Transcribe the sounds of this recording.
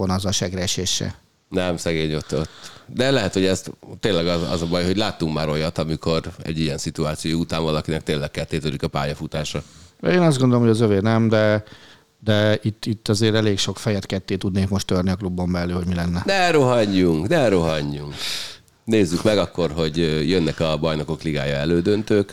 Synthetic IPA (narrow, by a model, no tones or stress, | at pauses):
onɒzɒʃɛɡrɛɛʃeːʃːɛ̰ | nɛmsɛɡeːɲo̞t̪ːot̪ːd̪ɛlɛɦɛt̪ho̞ɟɛst̪t̪ːeːnlɛɡɒɒ̰zɒbɒjɦo̞ɟlaːt̪ːuŋkmaːɾo̞jɒt̪ɒmiko̞ɾɛ̰ɟːijɛnsit̪uaːt̪siojout̪aːnvɒlɒkinɛk̚t̪eːnlɛkkɛt̪ːeːt̪ølikɒpaːjɒfut̪aːʃɒɛeːnɒzdɡo̞nd̪olomhoɟɒzøveːnɛmd̪ɛ | d̪ɛit̪ːit̪ːɒzeːɾɛleːkʃo̞kfɛjɛt̪kɛt̪ːeːt̪ud̪neːkmo̞ʃt̪ørniɒklubːo̞mbɛlːyːɦoɟmilɛnːɛnɛɾoɦɒɲːuŋknɛɾoɦɒɲːuŋk | neːzːykmɛɡɒkːo̞rɦo̞ɟøjønːɛkɒbɒjno̞ko̞kliɡa̰ːjɒɛløːd̪ønt̪øːk